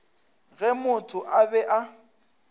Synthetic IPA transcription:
ɣɛmʊtʰʼʊʔabɛʔa

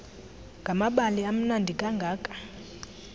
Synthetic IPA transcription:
ŋɡʱamaɓaliam̩nandʱikʼaŋɡʱaːkʼḁ

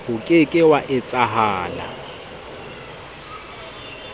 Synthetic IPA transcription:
hʊkʼɪkʼɪwaʔɪt͡sʼaɦaːla̰

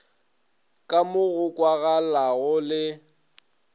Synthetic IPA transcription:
kʼamʊɣʊkʼwaɣalaɣʊlɪ

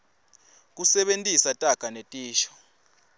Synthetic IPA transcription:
k̬ʼusɛɓentʼisatʼaɡ̥ʼanetʼiːʃɔ̥

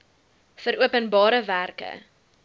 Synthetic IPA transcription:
fəɾuəpənbɑːɾəværkə̰

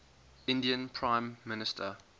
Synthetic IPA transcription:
ɪ̃ndiə̃npʰɹãɪ̃mːɪnɪstʰə

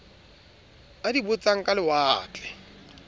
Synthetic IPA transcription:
adibʊt͡saŋ̩kʼalɪwaːt͡ɬʼɛ̥

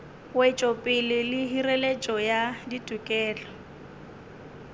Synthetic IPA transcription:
wet͡ʃʼɔpʼɪlɪlɪɦirelet͡ʃʼɔjaditʼukʼɛːlɔ

